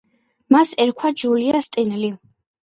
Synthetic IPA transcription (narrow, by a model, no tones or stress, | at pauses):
masɛɾkʰwad͡ʒuliast̪ʼɛnli